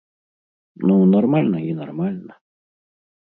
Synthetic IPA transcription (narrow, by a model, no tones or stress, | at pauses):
nonoɾmalnajinoɾmalna